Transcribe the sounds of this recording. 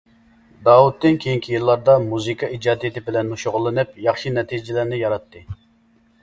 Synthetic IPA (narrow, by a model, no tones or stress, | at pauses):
d̪ɑːwut̪ːɨnkʲʰejiŋkʲʰijilˠːɑɾd̪ɑmuzɨkʰɑid͡ʒɑːd̪ijt̪ʰɪbɪlɛnːuʃoʁʊlˠːɨnɨpjɑχʃinɛt̪ʰid͡ʒɪlæɾnɪjɑɾɑt̪ːɨ